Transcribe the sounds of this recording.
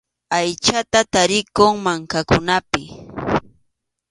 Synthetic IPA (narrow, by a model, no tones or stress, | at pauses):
ajt͡ʃat̪at̪aɾɪkoŋmaŋkakʊnapɪ